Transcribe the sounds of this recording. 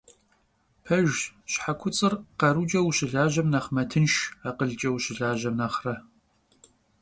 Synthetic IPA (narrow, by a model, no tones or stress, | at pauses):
pʰɐʒɕħakʷʰʊt͡sʼɨrqɐɾud͡ʒʼɐwɕɪɮaːʒɐmnɐχmɐtʰɨnʃaqəɮt͡ʃʼɐwɕɪɮaːʒɐmnɐχrɐ